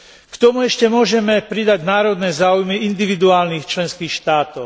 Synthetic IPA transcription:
kt̪ɔmuɛʃcɛmʊɔʒɛmɛpɾid̪aɟnaːɾɔd̪nɛːzaːujmiind̪iʋid̪uaːlniːxt͡ʃlɛnskiːxʃt̪aːt̪ɔʊ

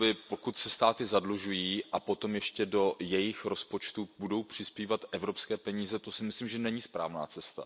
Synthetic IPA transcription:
bɪpo̞kut̪sɛst̪aːt̪ɪzadluʒujiːʔapo̞t̪o̞mjɛʃcɛdo̞jɛjɪxɾospo̞t͡ʃt̪ub̥udo̞wpr̝̥ɪspiːvat̪ʔɛvɾo̞pskɛːpɛɲiːzɛt̪o̞sɪmɪslimʒɛnɛɲiːspɾa̰ːvna̰ːt͡sɛst̪a̰

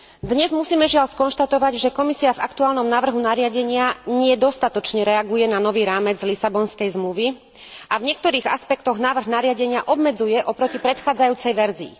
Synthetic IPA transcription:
d̪ɲɛzmusiːmɛʒɪaʎskɔnʃt̪at̪ɔʋaɟʒɛkɔmisiavakt̪uaːlnɔmnaːʋr̩ɦunaɾɪaɟɛɲɪaɲɪɛd̪ɔst̪at̪ɔt͡ʃɲɛɾɛaɡujɛnanɔʋiːɾaːmɛd͡zlisabɔnskɛjzmluʋi | ʔavɲɪɛk̚t̪ɔɾiːɣa̰spɛkt̪ɔɣnaːʋr̩ɣnaɾɪaɟɛɲɪaʔɔbmɛd͡zujɛʔɔpɾɔcipɾɛt̪xaːd͡zajuːt͡sɛjʋɛɾzḭː

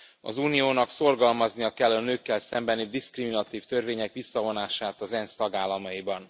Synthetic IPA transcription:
ɒ̰zuːnijoːnɒkso̞rɡɒlmɒznijɒkɛlːɒnøːkːɛlsɛmbɛnid̪iskriminɒt̪iːft̪ø̞rveːɲɛkʋisːɒvo̞naːʃaːt̪ɒzɛnst̪ɒɡaːlːɒmɒjibɒn

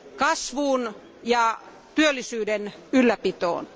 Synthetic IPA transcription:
kɑsʋuːn | jɑ | t̪yølːisyːdenylːæpit̪o̰ːn

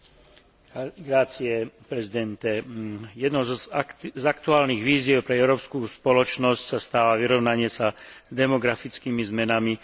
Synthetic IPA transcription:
ɡɾaːt͡siɛpɾɛzid̪ɛnt̪ɛjɛd̪nɔzzakt̪uaːlniɣʋiːzɪɛʊpɾɛɛʊɾɔːpskuːspɔlɔt͡ʃnɔscsast̪aːʋaʋiɾɔʊnaɲɪɛsazd̪ɛmɔɡɾafit͡skiːmizmɛnami

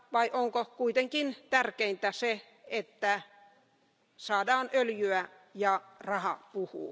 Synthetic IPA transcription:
ʋɑiʔoŋkokuit̪eŋkint̪ærkeint̪æse | et̪ːæ | sɑːdɑːnøljyæ | jɑrɑhɑpuhṵː

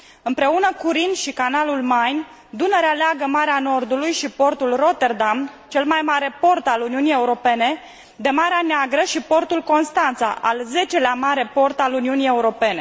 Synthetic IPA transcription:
ɨmpɾe̞unəkuɾinʃikanalulmajn | d̪uneɾealeaɡəmaɾeano̞rd̪ulujʃipo̞rt̪ulro̞t̪e̞rd̪amt͡ʃe̞lmajmaɾe̞po̞rt̪aluniunije̞uɾo̞pe̞ne̞ | d̪e̞maɾeaneaɡɾəʃipo̞rt̪ulko̞nst̪ant̪sa̰ʔalze̞t͡ʃe̞leamaɾe̞po̞rt̪aluniunije̞uɾo̞pe̞ne̞

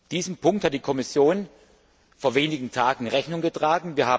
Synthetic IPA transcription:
d̥iːzəmpʰʊŋkthat̚d̥iːkʰɔmɪsjoːn | foːɐveːnɪɡŋ̩tʰaːɡŋ̩ʁɛçnʊŋɡətʁ̥aːɡŋ̩viːɐhaː

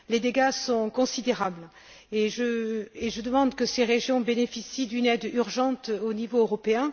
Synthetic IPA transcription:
led̪eɡasɔ̃kɔ̃sid̪eʁabl | eʒəeʒəd̪əmɑ̃d̪kəseʁeʒjɔ̃benefisid̪ynɛd̪yʁʒɑ̃t̪onivoːʁɔpeɛ̃

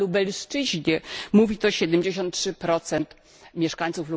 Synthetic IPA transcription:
ubɛlʂt͡ʂɘʑɲɛmuvʲit̪ɔɕɛd̪ɛmd͡ʑeɕɔnt̪̚tʂɘpɾɔt̪sɛnt̪ | mʲjɛʂkaɲt̪suflu

